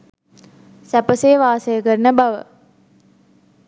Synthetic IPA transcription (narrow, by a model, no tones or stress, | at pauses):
sæpəsejʋaːsəjəkəɾnəbaʋə̰